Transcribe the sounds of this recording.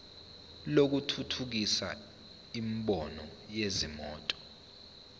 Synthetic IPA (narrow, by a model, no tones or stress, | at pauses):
lok̬utʰutʰuk̬isa̰ | imɓɔnɔjezimɔ̰ːtʼɔ̥